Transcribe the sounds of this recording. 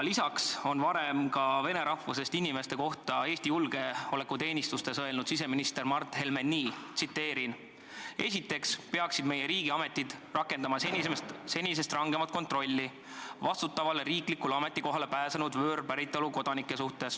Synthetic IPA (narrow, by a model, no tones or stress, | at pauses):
lisɑkso̞nvɑɾemkɑve̞ne̞ɾɑhvuse̞st̪inime̞st̪e̞ko̞ht̪ɑe̞ːst̪ijulɡ̥e̞o̞le̞kːut̪e̞ːnʲist̪ust̪e̞sɤe̞lnud̪̥sise̞minist̪e̞rmɑrt̪ːˑhe̞lmenːiːt̪sit̪ːe̞ːɾin | e̞̰sʲit̪ːe̞kspe̞ɑksid̪me̞je̞ɾiːɡ̥iɑme̞t̪ːˑid̪̥rɑkːe̞nd̪ɑmɑse̞nʲis̬e̞st̪rɑŋɡe̞mɑt̪̚ko̞nt̪ˑro̞lʲːi | vɑst̪ut̪ːˑɑvɑleɾiːklikulɑme̞t̪ˑːiko̞ɦɑle̞pæːsenud̪vø̞ːrpæɾit̪ːˑoluko̞d̪̥ɑnikːe̞suht̪e̞s